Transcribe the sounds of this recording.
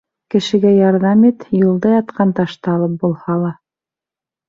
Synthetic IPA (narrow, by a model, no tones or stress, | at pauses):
kɘ̆ʃɘ̆ɡæjɑɾðɑmit̪jɤ̆lˠd̪ɑjɑt̪qɑnt̪ɑʃt̪ɑɑlˠɤp̚bulˠhɑlˠɑ